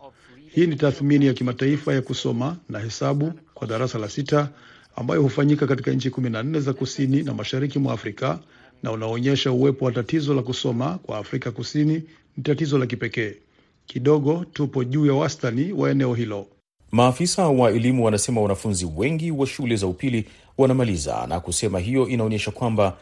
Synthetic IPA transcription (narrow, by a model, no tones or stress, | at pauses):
hiːnitaθminijakimataifajakusɔmanahɛsaɓukwaɗaɾasalasita | a̰mba̰jɔhufaɲikakatikaɲ̩t͡ʃikuminan̩nɛzakusinina̰maʃaɾikimwa̰ːfɾika | naunaɔɲɛʃauwɛpɔwatatizɔlakusɔmakwa̰ːfɾikakusini | nitatizɔlak̬ipɛkɛː | kiɗɔɠɔtupɔʄuːjawastaniwʔa̰ɛnɛɔɦilɔ | maːfisawaɛlimuwanasɛmawanafunziwɛŋɡiwaʃulɛzaupili | wanamaliza̰na̰kusɛmaɦijɔʔinaɔɲɛʃakwamba